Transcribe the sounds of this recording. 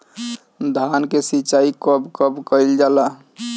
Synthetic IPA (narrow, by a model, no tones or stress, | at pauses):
d̪ʱankesit͡ʃaikəbkəbkəild͡ʒala